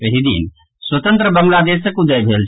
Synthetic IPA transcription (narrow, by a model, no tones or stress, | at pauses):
əɦid̪ḭn | swət̪ə̃nt̪ɾəbəmlad̪esəkud̪əjbʱelt͡ʃʰ